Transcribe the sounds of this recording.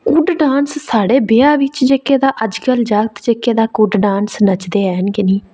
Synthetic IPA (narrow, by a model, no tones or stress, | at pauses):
kʊɖɖaːnssaːɽeːbeːaːʋɪt͡ʃd͡ʒeːkeːd̪aːʔəd͡ʒkəld͡ʒaːɡt̪d͡ʒeːkeːd̪aːkʊɖɖaːnsnət͡ʃd̪eːɛːɦənɡɪniː